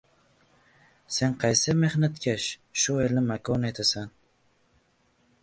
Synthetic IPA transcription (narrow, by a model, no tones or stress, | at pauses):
senqʰɑjsɪme̞hnat̪kʲʰaʃʃʊelnɪmakʰonajt̪ʰasan